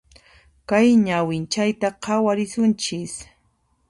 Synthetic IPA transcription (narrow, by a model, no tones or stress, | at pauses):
kajɲawɪnt͡ʃajt̪aqʰɑwaɾɪsʊnt͡ʃɪs